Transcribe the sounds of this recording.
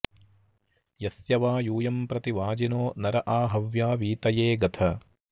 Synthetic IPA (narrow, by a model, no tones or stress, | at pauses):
jɐsjɐʋaːjuːjɐmpɾɐt̪iʋaːd͡ʒinoːnɐɾɐʔaːɦɐʋjaːʋiːt̪ɐjeːɡɐt̪ʰɐ